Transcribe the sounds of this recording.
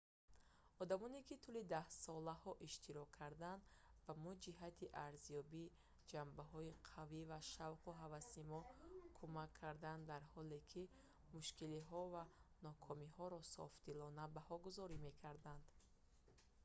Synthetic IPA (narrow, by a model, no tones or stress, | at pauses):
ɔd̪amɔnekit̪ʰulid̪ahsɔlahɔʔiʃt̪ʰiɾɔkʰːaɾd̪and̪bamud͡ʒiɦat̪ʰiʔaɾzijɔbi | d͡ʒambaɦɔiqʰavivaʃavquɦavasimɔkʰumakʰːaɾd̪and̪aɾhɔle̞kʰi | muʃkiliɦɔvanɔkʰɔmihɔɾɔsɔ̰ft̪ilɔnabahɔɡuzɔɾime̞kʰaɾd̪and̪